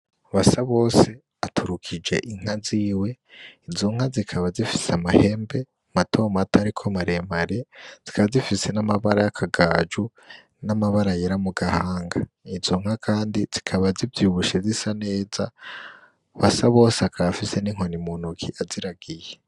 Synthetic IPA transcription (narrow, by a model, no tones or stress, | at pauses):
βasaβo̞ːse̞ | atʰuɾukʰid͡ʒe̞̰ʔiŋ̥haziːwe̞ | izoŋ̥hazikʰaβazifi̥seamahe̞ːmbe̞ | matʰo̞ːmatʰaɾikʰomaɾemaɾez̥i̥kʰaβazifise̞namaβaɾajakʰaɡaːd͡ʒu | namaβaɾajeɾamuɡahaːŋɡa | izoŋ̥hakʰaːndiz̥ikʰaβazivjiuβuʃezisane̞ːza | βasaβo̞ːseakafise̞niŋ̥ɦo̞nimunukʰiʔaziɾaɡije